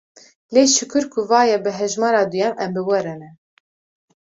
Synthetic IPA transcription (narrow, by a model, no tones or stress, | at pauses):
leːʃɨkɨɾkʰuvɑːjɛbɨɦɛʒmɑːɾɑːd̪ujɛmʔɛmbɨwɛɾɛnɛ